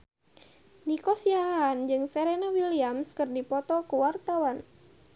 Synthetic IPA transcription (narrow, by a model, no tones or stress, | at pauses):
nikɔsiaɦand͡ʒɨŋsɛɾenawiliamskərdipɔt̪ɔkəwart̪awan